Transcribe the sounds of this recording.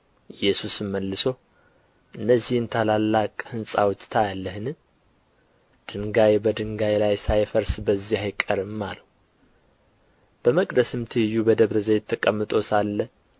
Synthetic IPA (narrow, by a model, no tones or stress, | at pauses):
ʔɨjːɛsusɨmmːəlːɨso | ʔɨnːəzːihɨnt̪ʰalalːakʼhɨnsʼa̰wt͡ʃ̪ʼt̪ʰajalːəhɨnɨ | d̪̥ɨŋɡajebəd̪ɨŋɡajlajsajfəɾsbəzːihajkʼəɾɨmːalə | b̥əməkʼd̪əsɨmt̪ʰɨhɨjːubəd̪əβɾəzəjɛt̪ʰːəkʼəmːɨt̪ʼo̞salːə